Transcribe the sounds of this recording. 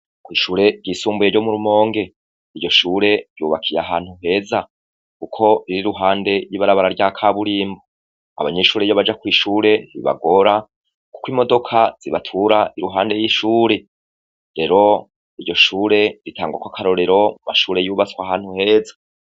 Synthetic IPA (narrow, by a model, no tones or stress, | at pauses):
kwiːʃuːɾe̞ɾɟiːsuːmbuje̞ɾjɟomuɾumo̞ːŋɡe̞ | iɾɟo̞ʃuːɾe̞ɾjuːβakʰijaɦaːn̥huɦe̞ːza | kukʰo̞ɾiɾiɾuɦaːnde̞ɾjiβaɾaβaɾaɾɟakʰaβuɾiːmbo | a̰βaɲe̞ʃuːɾejoβad͡ʒakwiːʃuːɾe̞n̥ḭβa̰ɡo̞ɾa | ku̥kwiːmo̞do̞kʰaz̥iβatʰuɾaʔiɾuɦaːnde̞jiʃuːɾe̞ | ɾe̞ɾo̞ | iɾɟo̞ʃuːɾe̞ɾitʰaːŋɡwakwakʰaɾo̞ɾe̞ɾo̞umaʃuːɾe̞juːβat͡swaɦaːn̥huhe̞ːzḁ